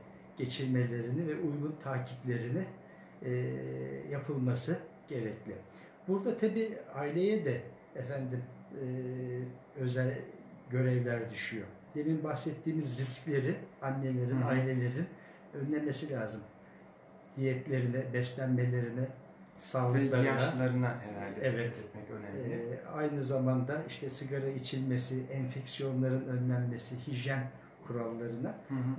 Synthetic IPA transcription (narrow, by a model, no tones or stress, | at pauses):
ɟ̥e̞t͡ʃʰiɾme̞lʲe̞ɾinivɛʔujɡunt̪ʰaːcʰiplʲe̞ɾinɪ | japʰɯlˠmasɯɟ̥e̞ɾɛclʲɪ | buɾd̪at̪ʰabiːailʲe̞jɛd̪ɛː | fænd̪imː | ø̞zælʲ | ɟø̞ɾɛvlʲæɾd̪yʃyjo | d̪̥eminbaxsɛt̪ʰːiːmizɾisclʲe̞ɾianːe̞lʲe̞ɾinailʲe̞lʲe̞ɾinin | ø̞nlʲænme̞silʲaːzɯm | d̪̥ijɛt̪lʲe̞ɾinɛbɛslʲænme̞lʲe̞ɾinɛ | saːlˠɯklˠaɾɯanalˠaɾɯnaɦeɾald̪ɛvɛt̪mɛønɛajnɯzamand̪aiʃt̪ʰɛsɯɡaɾait͡ʃʰilʲme̞siʔɛnfɛcsijo̞nlˠaɾɯnø̞nlʲænme̞sihiʒjæn | kʰuɾalˠːaɾɯna